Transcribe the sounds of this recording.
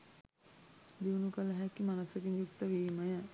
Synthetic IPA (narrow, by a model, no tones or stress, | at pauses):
d̪iwnukɐləɦɛkimanɐsɐkinjukt̪əʋiməjə